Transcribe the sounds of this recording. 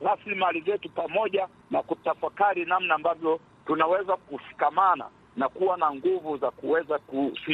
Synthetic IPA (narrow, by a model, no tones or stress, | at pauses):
ɾaslimalizɛtupamɔʄa | nakutafakaɾinamnaːmbavjɔ | tunawɛzakuʃi̥kamana̰ | nakuwanaŋɡuvuzakuwɛzakusi